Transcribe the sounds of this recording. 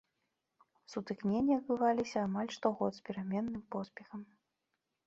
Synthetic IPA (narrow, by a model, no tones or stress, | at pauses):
sut̪ɨknʲenʲːɐɐd̪̚bɨvalʲisʲɐːmalʲʂt̪ɔɣɔt̪spʲiɾamʲɛnːɨmpɔspʲɛxɐm